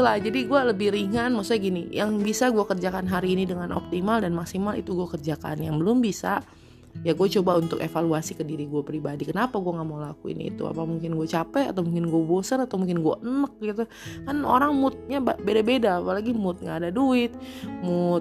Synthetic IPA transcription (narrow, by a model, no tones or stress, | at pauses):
lahd͡ʒadiɡualəbɪhɾiŋanmaksuɲaɡinijaŋbisaɡuakərd͡ʒakanɦaɾiːnidəŋanʔɔ̰p̚t̪imaldanmaksimalḭt̪uɡuakərd͡ʒaka̰njaŋbəlʊmbisa | jaɡuat͡ʃobaunt̪ʊ̰kefaluasikədiɾiɡuapɾibadikənapaɡuaŋamolakuḭnḭːt̪ṵa̰pamuŋkɪnɡuat͡ʃapɛa̰t̪awmuŋkɪnɡuabosənat̪awmuŋkɪnɡua̰ʔənək̚ɡit̪u | kano̰ɾaŋmʊt̪̚ɲababedabedaːpalaɡimʊt̪̚ŋɡaːdaduɪt̪̚mut̪̚